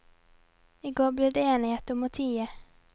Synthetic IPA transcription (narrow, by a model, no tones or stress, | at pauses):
ɪɡoːbliːd̪eeːnɪheːt̪əɔmɔt̪ʰiːə